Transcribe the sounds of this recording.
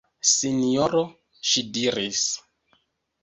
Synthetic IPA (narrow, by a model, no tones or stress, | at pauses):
sinijoɾo | ʃidiɾis